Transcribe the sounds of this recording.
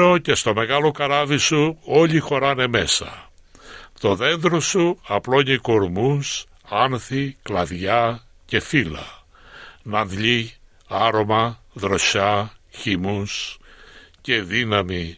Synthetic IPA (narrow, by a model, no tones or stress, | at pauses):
o̞ce̞st̪o̞me̞ɣɐlokɐɾɐvisuo̞ʎixo̞ɾɐne̞me̞sɐ̰ | t̪o̞ðe̞nðɾosuɐplo̞iɲeko̞ɾmus | ɐnθiklɐðʝɐ | ce̞filɐ̰ | nɐnðʎi | ɐɾo̞mɐ | ðɾo̞ɕɐçimus | ce̞ðinɐmi